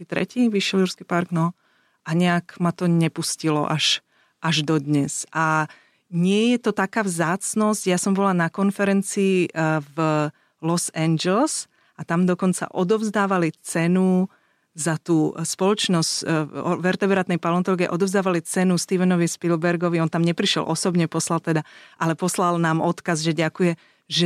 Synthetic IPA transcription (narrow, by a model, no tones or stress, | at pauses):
kiːt̪ɾɛ̰ciːʋiʃjɛluɾskiːpaɾɡnɔ | ʔaɲɛakmat̪ɔɲɛpuscilɔ̰ʔaʃ | ʔaʒd̪ɔd̪ɲɛsa | ɲɪɛjɛt̪ɔt̪akaːvzaːt͡snɔzcjasɔmbɔlanakɔnfɛɾɛnt͡siiv | lɔsɛnd͡ʒɛls | ʔat̪amd̪ɔkɔnt͡sa̰ʔɔd̪ɔvzd̪aːʋalit͡sɛnu | zat̪uːspɔlɔt͡ʃnɔscʋɛɾt̪ɛbɾat̪nɛjpalɔnt̪ɔlɡiɛ̰ʔɔd̪ɔvzd̪aːʋalit͡sɛnust̪iʋɛnɔʋispilbɛɾɡɔʋiɔnt̪amɲɛpɾiʃjɛ̰lʔɔsɔbɲɛpɔslalt̪ɛd̪aʔalɛpɔslalnaːmɔt̪kazʒɛɟakujɛ | ʒɛ